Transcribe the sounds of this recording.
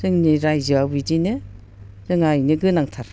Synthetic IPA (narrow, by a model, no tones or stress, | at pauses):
sɯŋniɾajzɯawbidinɯ | zɯŋajnɯɡɯnaŋtʰaɾ